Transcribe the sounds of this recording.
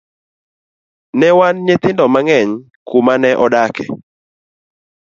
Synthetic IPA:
nɛwanɲet̪ɪndɔmaŋɛɲ | kumanɛʔɔdakɛ̰

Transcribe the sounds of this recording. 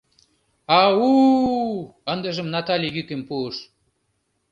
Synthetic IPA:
ɑu | ənd̪ə̆ʒə̆mnɑt̪ɑlʲijykempuəʃ

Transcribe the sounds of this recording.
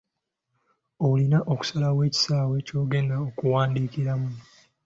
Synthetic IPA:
o̞ulinaʔo̞ku̥salawe̞ːci̥saːwe̞co̞ːɡe̞ːndaokuwaːndiːkiɾamu

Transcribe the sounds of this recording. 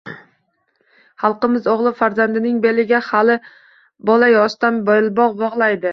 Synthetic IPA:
hɑlˠqɨmɪzoʁlˠɪfaɾzand̪ɪnɪŋbe̞lɪɡʲahalɪ | bɒlajɒst̪anbɒjɪlˠbɒʁbɒʁlˠajd̪ɪ

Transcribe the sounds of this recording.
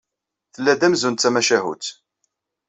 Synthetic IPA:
θəlːæd̪æmzunt̪t͡sːæmæʃæɦṵt͡s

